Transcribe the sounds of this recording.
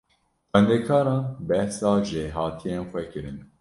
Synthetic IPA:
xɛnd̪ɛkʰɑːɾɑːnbɛhsɑːʒɪɦɑːt̪ʰijeːnxʷɛkɨɾɨn

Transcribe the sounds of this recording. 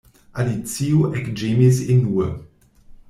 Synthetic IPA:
ʔalit͡siuʔɛkd͡ʒemizɪ̃nːuə

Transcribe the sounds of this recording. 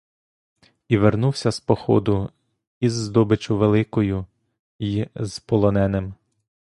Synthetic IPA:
iʋernuwsʲɐspɔxɔ̰d̪ʊ | izːd̪ɔbɪt͡ʃʊʋelˠɪkɔjʊ | jiz̥pɔlˠɔnɛnɪm

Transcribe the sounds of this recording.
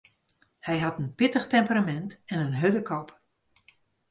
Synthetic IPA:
hɛjɦatənpɪtəxtɛmpəramɛntɛnənɦødəkʰɔp

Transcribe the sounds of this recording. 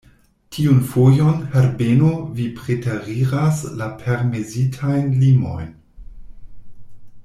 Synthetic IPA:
tʰiunfojo̞nheɾbenovipɾetaɾiɾaslapʰeɾmezitʰajnlimo̞̰jn

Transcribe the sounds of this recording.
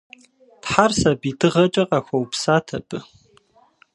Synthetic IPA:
tħarsabitʰɨʁɐt͡ʃʼɐqʼaxʷɐwupsaːtʰɐpʰʼɨ

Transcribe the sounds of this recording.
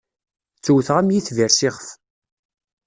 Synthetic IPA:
t͡sːuwθʁæmjiθviɾsɪʁəf

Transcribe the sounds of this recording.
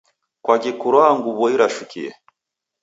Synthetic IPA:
kwaɟikuɾwaŋɡuβoiɾaʃukijḛ

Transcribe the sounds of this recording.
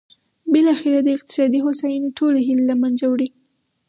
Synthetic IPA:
bɪlɑxeɾad̪əɪq̚t̪ɪ̥sɑd̪iɦosajnʈʰoleɦilelamanzawɽi

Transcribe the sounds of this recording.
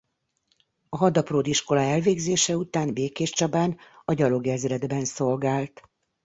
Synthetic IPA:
ɒɦɒd̪ɒproːd̪iʃko̞laɛlveːɡzeːʃɛut̪aːnbeːkeːʃt͡ʃɒbaːnɒɟɒlo̞ɡɛzrɛd̪bɛnso̞lɡaːlt̪

